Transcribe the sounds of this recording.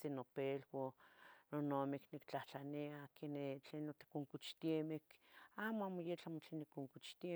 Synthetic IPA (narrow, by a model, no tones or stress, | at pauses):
sinopelwononomiknikt͡ɬaht͡ɬaniakenet͡ɬeːnːot̪i̥kuŋkut͡ʃt̪iemikaːmoaːmojet͡ɬamot͡ɬenikuŋkut͡ʃt̪ie